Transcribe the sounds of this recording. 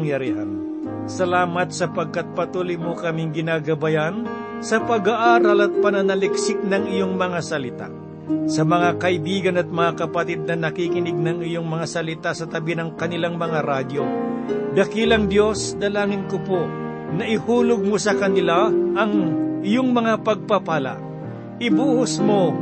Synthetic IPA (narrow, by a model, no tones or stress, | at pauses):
ŋjɐɾiːhan | sɐlaːmɐt̪sɐpɐɡ̚kat̪̚pɐt̪uːlijmʊkɐmiŋɡɪnaɡɐbajan | sɐpɐɡaʔaːɾalɐt̪̚pɐnɐnɐlɪksɪk̚nɐŋɪjoŋmɐŋasɐlɪt̪a̰ | sɐmɐŋakɐʔɪbiːɡɐnɐt̪̚mɐŋakɐpɐt̪id̪̚nɐnɐkikɪnɪɡ̚nɐŋɪjoŋmɐŋasɐlɪt̪asɐt̪ɐbinɐŋkɐnɪlaŋmɐŋaɾaːd̪jod̪ɐkilɐŋd̪jo̞sd̪ɐlaːŋɪnkopo | nɐʔɪhuːlʊɡ̚mosɐkɐnɪlaʔːŋɪjoŋmɐŋapɐɡ̚papaːla̰ʔ | ʔɪbuːhʊsmo